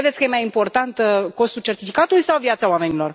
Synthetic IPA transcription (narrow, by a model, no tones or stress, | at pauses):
ed̪et̪ʲkəjemajimpo̞rt̪ant̪ko̞st̪ult͡ʃe̞rt̪ifikat̪ulujsawvjat̪saoame̞nilo̞r